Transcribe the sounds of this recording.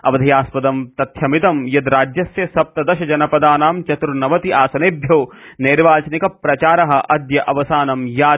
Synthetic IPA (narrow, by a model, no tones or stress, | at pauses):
ɐ̰ʋɐd̪ʱɐjaːspɐd̪ɐmt̪ɐt̪ʰjɐmit̪ɐmjɐd̪ɾaːd͡ʒjɐsjɐsɐp̚t̪ɐd̪ɐʃɐd͡ʒɐnɐpɐd̪aːnaːmt͡ʃɐt̪ɾunɐʋɐt̪iʔaːsɐneːbʱjoːneːɾʋaːt͡ʃnikɐpɾɐt͡ʃaːɾɐɦɐ̆ʔɐd̪jɐʔɐʋɐsaːnɐmjaː